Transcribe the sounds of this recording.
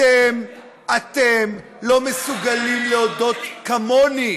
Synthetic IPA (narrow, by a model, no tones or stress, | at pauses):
em | at̪em | lo̞mesuɡalimleod̪o̞t̪kamoni